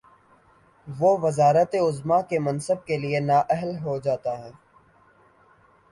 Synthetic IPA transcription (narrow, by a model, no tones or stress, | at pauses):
ʋoːʋɪzaːɾət̪eʊzmakemɐ̃nsəb̚kelienaːʔɛɦəlɦod͡ʒaːt̪aɦɛː